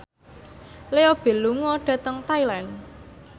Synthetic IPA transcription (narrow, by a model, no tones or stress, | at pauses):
leob̥e̤luŋɔɖ̥ä̤t̪əŋt̪ailan